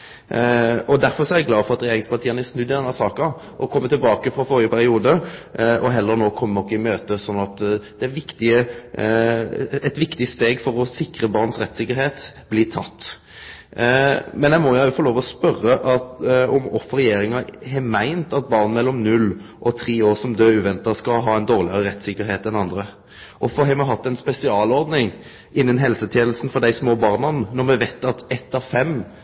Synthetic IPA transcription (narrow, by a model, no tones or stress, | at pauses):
ɔd̪æɾfɔɾsɔæɾæɡlɑːfɔʁɑt̪ɾɛjeːɾɪŋspɑt̪iːənəæsnʉd̪ːɪd̪ɛnːəsɑːkɑ | ʔɔkʰɔmːət̪ɪlbɑːkəfɾɔfɔːɾʁɪəpʰæɾɪuːd̪əɔɦɛlːəɾnoːkʰɔmːənɔkːəɪmøːt̪əsɔnːɑt̪d̪̥ɛæɾʋɪkt̪ɪə | ɛt̪ʋɪkt̪ɪst̪eːɡfɔɾɔsɪkɾəbɑɾnsɾɛt̪ːsɪkːəɾheːt̪blɪt̪ʰɑ̰t̪ː | mɛnæɪmɔjæjʊfɔɾloːʋɔspœrːəʔɑt̪ɔmɔfɾɛjeːɾɪŋɑɛmæɪnt̪ɑt̪̚bɑʁnnmɛlːɔmnʉlːʔɔt̪ʰʁiːoːʁsɔmd̪øːʉːʋɛnt̪ɑskɑɦɑːɛɪnd̪oːʁlɪəɾəɾɛt̪sɪkːəɾɦeːt̪ɛnɑnd̪ɾə | ʔɔfɔɦɛmɛɦɑt̪ːɛnspɛsɪɑːlɔɾd̪nɪŋ | ʔɪnːənɦɛlsət̪ʰjeːnəl̩sn̩fɔʁd̪æɪsmoːbɑːʁnɑnnɔʁmɛʋæɪt̪ːɑt̪ɛt̪ːɑʋfɛmː